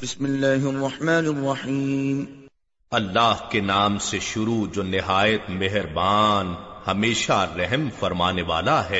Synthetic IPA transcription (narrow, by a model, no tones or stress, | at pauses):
bɪsmɪlːaːɦrˤːɑħmaːnɪrˤːɑħiːm | ɐlːaːɦkenaːmseʃʊɾud͡ʒoːnɪɦaːjət̪mɛɦɾbaːnhɐmeːʃaɾɛɦəmfɐɾmaːneʋaːlaɦɛː